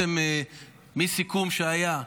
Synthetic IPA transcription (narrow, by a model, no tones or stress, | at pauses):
eme | misikumʃeaja